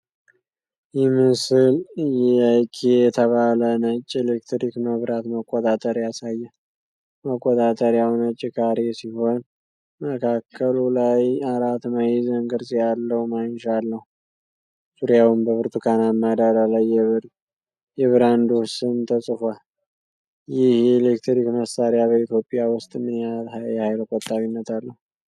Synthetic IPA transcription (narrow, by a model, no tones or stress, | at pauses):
jɛmɨsɨljɛakʰejɛt̪ʰəβalənət͡ʃʼːelekt̪ɾikməβɾat̪məkʼːɔt̪ʼat̪ʼəɾjasajːə | məkʼːɔt̪ʼat̪ʼəɾjawnət͡ʃʼːɪkʰaɾesiho̞n | məkʰakʰːəlulajaɾat̪majizəŋɡɨɾsʼijalːəwmanʃalːəhu | suɾjawɨmbəβɨɾt̪ʰukʰanaməd̪əɾəlajːɛβɨɾ | jɛβɨɾand̪osɨnt̪ʰəsʼɨfal | jɪhjɛlekt̪ɾikməsaɾjaβəit̪ʰjo̞pʼɪjawʊst̪ʼmɨnalhajɛhajlkʼɔt̪ʼːaβinːət̪alːəhu